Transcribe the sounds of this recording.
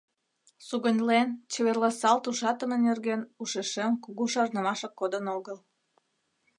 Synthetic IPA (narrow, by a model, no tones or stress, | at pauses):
suɣənʲlent͡ɕeβerlɑsɑlt̪uʃɑt̪əmenerɣenuʃeʃemkuɣuʃɑrnə̆mɑʃəkːod̪ənoɣəl